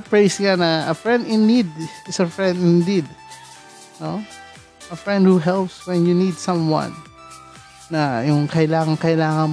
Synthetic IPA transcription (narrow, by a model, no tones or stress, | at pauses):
pɹejsŋanɐɐfɹɛ̃nd̪ɪ̃nːid̪̚ɪsɐfɹɛ̃nd̪ɪnd̪id̪̚ | no | ʔɐfɹɛ̃nd̪̚huɦɛlˠpswɛ̃njunid̪sɐ̃mwɐ̰̃n | ɐjʊŋkɐʔɪlaːŋɐŋkɐʔɪlaːŋɐ